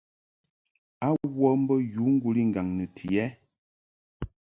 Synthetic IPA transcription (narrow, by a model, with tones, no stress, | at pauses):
a˦wɔ˦m̩˦bə˦ju˨˦ŋ̩˦ɡu˦li˦ŋ̩˨ɡa˨ŋnə˨tʰi˨ɛ˦